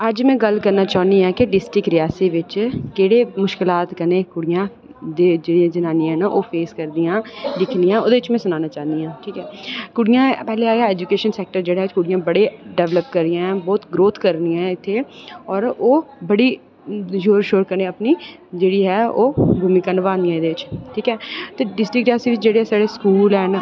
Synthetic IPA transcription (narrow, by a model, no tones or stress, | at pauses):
əd͡ʒmɛ̃ːɡəlkəɾnaːt͡ʃaːniːɦɛːkeɖɪsʈɾɪkɾɪjaːsiʋɪt͡ʃkeːɽeːmʊʃkɪlaːt̪kənẽːkʊɽɪjãː | d̪eːd͡ʒɪãːd͡ʒɪnaːniɛ̃ːnaʔoːpʰeːskəɾd̪ijãːlɪkʰniãːoːd̪eːɪt͡ʃmɛ̃ːsʊnaːnãːt͡ʃaːnd̪ijãːʈʰiːkɦɛːkʊɽɪjãːpɛːleaːjaːɛːd͡ʒukeːʃənsɛːk̚ʈəɾd͡ʒeːɽaːɦkʊɽɪjãːbəɽeɖɛːʋləpkəɾɪjãːbɔːt̪ɡɾoːt̪ʰkəɾniãːɪt̪ʰːeːɔːɾoːbəɽiː | joːɾʃoːɾkəɾneːəpniː | d͡ʒeːɽiːɦɛːoːɡʱʊmĩːkənʋaːniːãːed̪eːʋɪt͡ʃʈʰiːkɛːt̪eːɖɪsʈɾɪk̚ʈaːsiːʋɪt͡ʃd͡ʒeːɽeːɦɛːsaːɽeːskuːlɛːn